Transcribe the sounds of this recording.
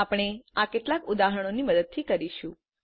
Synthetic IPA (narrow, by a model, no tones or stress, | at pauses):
apɽ̃eakeʈlakud̪aɦəɽ̃oniməd̪əd̪̚t̪ʰikəɾiʃũ